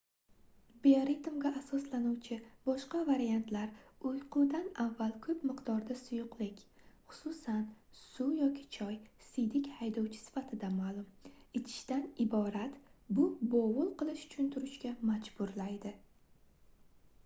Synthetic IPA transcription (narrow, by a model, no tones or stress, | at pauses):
beoɾit̪ʊmɡʲaʔasɒslanuwt͡ʃʰɪb̥ɒʃqɑvaɾijant̪laɾʊjqʰʊwd̪anavːalˠkʰɵpmɪqd̪ɒɾd̪asʊjʊqlˠɪkʲ | χʊ̥sʊsan | sujɒkʲʰɪ̥t͡ʃʰɒjsɪd̪ɪkʲhajd̪ɒwt͡ʃʰɪ̥sɪ̥fat̪ʰɪd̪amaːlˠʊmɪt͡ʃ̪ʰɪ̥ʃt̪anɪbɒɾat̪bʊbovʊlˠqʰɨlˠɪʃʊ̥t͡ʃʰʊnt̪ʰʊɾʊʃkʲamad͡ʒbʊɾlajd̪ɪ